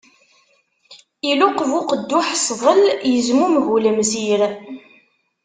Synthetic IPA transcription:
iluqvʊqəd̪ːʊħsˤðˤəljəzmumɣuləmsiɾ

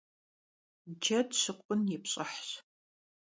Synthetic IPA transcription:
d͡ʒɐdɕɨqʷʼʊnjɪpɕʼɐħɕ

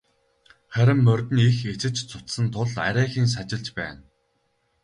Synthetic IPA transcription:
χæɾʲɪ̆mːœrʲt̪ɘ̆nixet͡sɘ̆t͡ɕt͡sʰʊt̪sə̆nt̪ʰʊɮa̰ɾʲæːxiːns̬at͡ɕɪ̆ɮt͡ɕpæ̰ːn

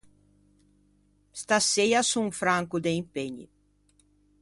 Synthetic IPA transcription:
st̪asejasũfɾãŋkʊd̪eĩmpeɲɪ̰

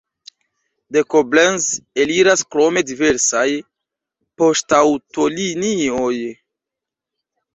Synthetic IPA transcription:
dekoblenzeliɾaskɾo̞me̞dive̞ɾsaj | po̞stawto̞linioj

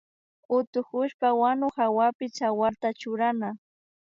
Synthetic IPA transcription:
ʊt̪ʊkʊʃpawanʊhawapɪt͡ʃawaɾt̪at͡ʃʊɾana

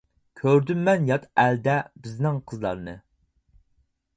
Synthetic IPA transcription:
kʲʰøɾd̪ymːɛnjɑt̪æld̪ɛbɪznɪŋqʰəzlˠɑ̰ɾnɨ

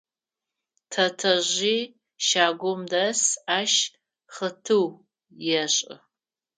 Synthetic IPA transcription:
tʰɐtʰɐʑiː | ʃaːɡʷʊmdɐsaːʃ | χətʰɨw | jɛɕʼɪ̰

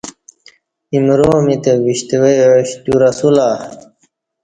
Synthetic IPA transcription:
imɾoːmit̪ewiɕt̪ewejɕt̪uɾɐsulaː

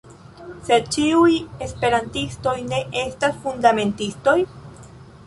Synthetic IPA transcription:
se̞t͡ʃiuje̞spe̞ɾantisto̞jne̞ʔe̞stasfundame̞ntisto̞j

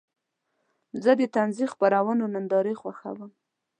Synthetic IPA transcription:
zəd̪ət̪anzixpaɾawənonand̪ɑɾexwaxa̰wəm

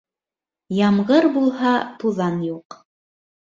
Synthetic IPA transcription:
jɑmʁɤɾbulˠhɑt̪uðɑnjuq

